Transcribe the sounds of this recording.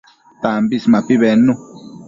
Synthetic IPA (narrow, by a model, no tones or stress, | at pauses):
t̪ambismãpiβɛnũ